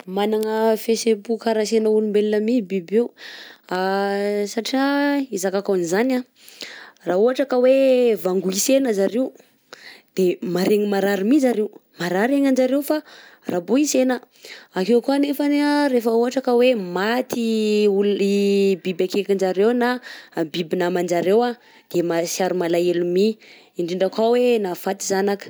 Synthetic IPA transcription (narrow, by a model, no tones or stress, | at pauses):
manaŋəfesepukaɾasenəulumbelinamibibewasaʈ͡ʂiaizakakanizana | raːuaʈ͡ʂakəwevaŋɡuisenəzaɾe | d̪̥emaɾeŋimaɾaɾimizaɾeumaɾaɾeŋand͡ʒaɾewfarabuisenə | akewkuanefaneaɾefəuɦaʈ͡ʂakəwemat̪iulibibakekand͡ʒaɾewnabibinamand͡ʒaɾewa | d̪̥emasiaɾumalaelumi | iɳɖ͡ʐiɳɖ͡ʐakawenafat̪izanakə̥